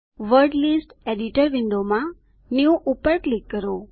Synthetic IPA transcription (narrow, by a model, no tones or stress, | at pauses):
ʋəɾɖlisʈeɖiʈəɾʋɪɳɖomã | njuʔupəɾklikːəɾo